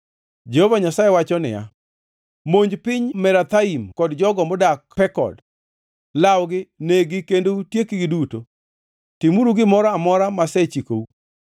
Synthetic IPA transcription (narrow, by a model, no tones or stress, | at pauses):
d͡ʒehovaɲasajewat͡ʃɔnɪ̰ja̰ | moɲd͡ʒpɪɲmɛɾat̪aimkɔdd͡ʒɔɡɔmbɔdakpɛkɔ̰d | lawɡɪneɡɪkendoutjekiɡɪduto | tɪmuɾuɡɪmɔɾaːmɔɾamasɛt͡ʃiko̰u